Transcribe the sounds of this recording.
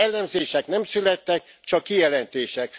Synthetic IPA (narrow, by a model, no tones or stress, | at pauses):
ɛlːɛmzeːʃɛknɛmsylɛt̪ːɛk | t͡ʃɒkːijɛlɛnt̪eːʃɛk̚